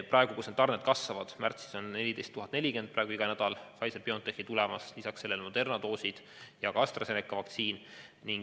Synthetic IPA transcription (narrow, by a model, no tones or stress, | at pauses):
prɑe̞ɡ̥ukusned̪ːɑrned̪̥̚kɑsvɑvɑd̪̥mært̪si̥so̞nne̞lʲid̪e̞jst̪uɦɑt̪ne̞lʲike̞nd̪̚prɑeɡ̥uiɡ̥ɑnæd̪̥ɑlfɑjserpiont̪ehit̪ulɛmɑslisɑksːe̞lːe̞lmo̞d̪e̞rnɑd̪o̞ːsid̪̥ | jɑɡ̥ɑɑst̪rɑsenekːˑɑvɑkt̪siːn | niŋɡ